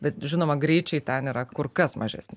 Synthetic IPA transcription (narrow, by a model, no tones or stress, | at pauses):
bʲɛt̪ʒʲɪnoːmɐɡɾʲɛɪt͡ʃʲɛɪt̪ʲɛniːɾɐkʊrkɐsmɐ̰ʒʲæ̰ːsʲnʲɪ